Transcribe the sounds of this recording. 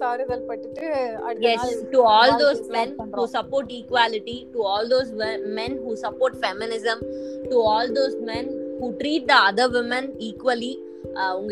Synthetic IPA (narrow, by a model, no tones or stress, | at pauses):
saːɾɪɡɐlpɐʈːɪʈːɨɐjɛsʈuɔːld̪oːzmɛ̃nhuːsɐpoːɾʈiːkʋaːlɪʈiʈuɔːld̪oːzʋmɛ̃nɦuːsɐpoːɾʈfɛmɪnɪzə̃mʈuɔːld̪oːzmɛ̃nhuːʈɾiːʈ̚d̪əɐd̪əʋɪmə̃niːkʋəli | ʊ̃ŋɡ